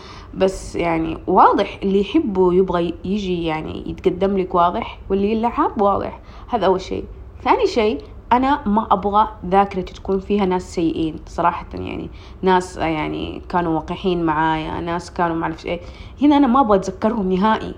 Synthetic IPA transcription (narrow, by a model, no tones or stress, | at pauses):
basːjaʕnḭwɑːðˤɨħʔɪlːijħɪbːujɪbɣajɪd͡ʒijaʕnḭjɪ̰t̪ɡad̪ːamlɪkwɑːðˤɨħwɪlːilːaʕabwɑːðˤɨ̰ħ | haːðaʔawːalʃḛː | θaːniʃeː | ʔanamaʔabɣaðaːkɪɾˤɑt̪t̪ḁkuːnfiːhanaːsːajːɪʔiːnsˤɑɾˤɑːħɑ̥t̪ja̰ʕnḭ | naːsjaʕnḭkaːnuwɑːqɪħiːnmaʕaːja̰naːskaːnumaʕlafʃʔeː | hɪnaʔanamaʔabɣat̪zakːɑɾˤhʊmnɪɦaːʔḭ